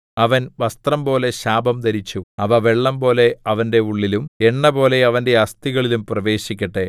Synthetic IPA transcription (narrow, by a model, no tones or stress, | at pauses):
ɐʋɐnʋɐst̪rɐmbo̞ːle̞ɕaːbɐmt̪ɐɾit͡ɕːuɐʋɐʋeɭːɐmbo̞ːle̞ɐʋɐnde̞uɭːilumeɳːɐbo̞ːle̞ɐʋɐnde̞ɐst̪iɣɐɭilumprɐʋe̞ːɕikʲːɐʈːe̞